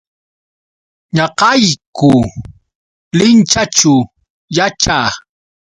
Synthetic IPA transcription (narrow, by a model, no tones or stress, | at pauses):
ɲɑqɑjkʊ | lɪnt͡ʃat͡ʃʊ | jat͡ʃaː